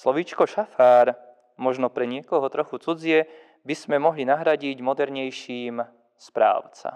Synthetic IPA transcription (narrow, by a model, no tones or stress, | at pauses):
slɔʋit͡ʃkɔʃafaːɾ | mɔʒnɔpɾɛɲɪɛkɔɦɔt̪ɾɔxut͡sud͡zɪɛ | biz̥mɛmɔɦlinaɦɾaɟiɟmɔd̪ɛɾɲɛjʃiːm | spɾa̰ːʊt͡sa̰